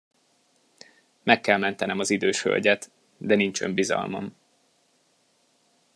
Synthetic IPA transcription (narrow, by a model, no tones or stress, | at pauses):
mɛkːɛlmɛnt̪ɛnɛmɒzid̪øːʃhø̰lʲɟɛt̪ | d̪ɛnint͡ʃømbizɒ̰lmɒm